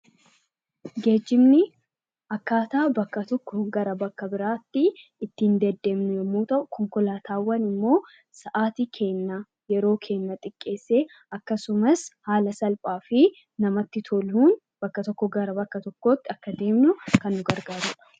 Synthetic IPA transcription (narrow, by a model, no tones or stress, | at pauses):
ɡe̞ːd͡ʒːɪmnɪ | ɐkːaːt̪aːbɐkːɐt̪ɔkːɔɡɐɾɐbɐkːɐbɪɾaːt̪ːɪɪt̪ːiːnd̪ɛd̪ːe̞ːmnʊjɛmːuːt̪ɐʔʊkʰɔŋkɔlaːt̪ʰaːwːɐnɪmːo̞ː | sɐʔaːt̪iːkʰe̞ːnːa | jɛɾo̞ːkʰe̞ːnːɐt̪ʼɪkʼːe̞ːsːe̞ː | ɐkːɐsʊmɐshaːlɐsɐlpʼaːfɪ | nɐmɐt̪ːɪt̪ʰɔlhuːn | b̥ɐkːɐt̪ɔkːɔɡɐɾɐbɐkːɐt̪ɔkːo̞ːt̪ːɪɐkːɐd̪e̞ːmnʊkɐnːʊɡɐɾɡaːɾʊᶑɐ̥